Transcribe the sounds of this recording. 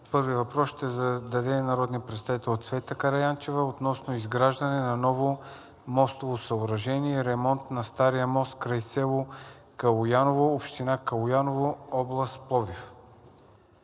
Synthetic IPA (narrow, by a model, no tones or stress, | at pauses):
pɤɾviəvɐpɾɔsʃt̪ɛzɐd̪ɐd̪ɛnɐɾɔd̪niəpɾɛt̪st̪avit̪ɛlʲˠot̪svɛt̪əkɐɾɐjant͡ʃɛvəot̪nɔsnoizɡɾaʒd̪ɐnɛnɐnɔvo | mɔst̪ovosɐoɾɐʒɛniɛɾɛmɔnt̪nɐst̪aɾijəmɔst̪̚kɾajsɛlˠo | kɐlˠʊjanovoːpʃt̪inakɐlˠʊjanovoɔblˠəst̪̚plˠɔvif